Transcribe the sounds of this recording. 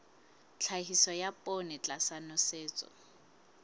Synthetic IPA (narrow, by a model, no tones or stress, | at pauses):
t͡ɬʰaɦisɔjapʼonɪt͡ɬʼasanɔseːt͡sʼɔ̰